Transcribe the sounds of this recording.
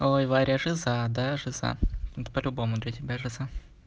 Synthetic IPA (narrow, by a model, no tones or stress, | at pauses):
ojvaɾʲɪəʐɨzad̪aʐɨza̰t̪pəlʲʊbo̞mʊd̪lʲət̪ʲɪbʲaʐɨza